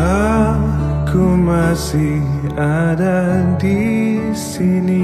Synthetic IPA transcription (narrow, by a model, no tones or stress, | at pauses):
a | kʰumasihadadisini